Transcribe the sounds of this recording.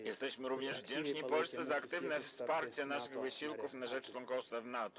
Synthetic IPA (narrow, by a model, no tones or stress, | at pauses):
jɛst̪ɛɕmɘɾuvɲɛʐvd͡ʑɛnt͡ʂɲipɔlst̪sɛzaːkt̪ɘvnɛfspaɾt͡ɕɛnaʂɘɣvɘɕiwkufnaʐɛt͡ʂlɔŋkɔfsɛvnat̪ɔ̥